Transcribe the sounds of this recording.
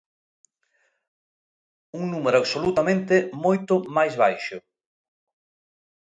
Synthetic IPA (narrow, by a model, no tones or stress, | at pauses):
uŋnumeɾʊaβsolut̪amẽnt̪ɪmojt̪ʊmajzβajʃʊ